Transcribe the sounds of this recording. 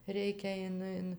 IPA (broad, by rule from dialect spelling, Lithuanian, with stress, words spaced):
ˈrʲɛɪkʲɛ ˈɪn ˈɪn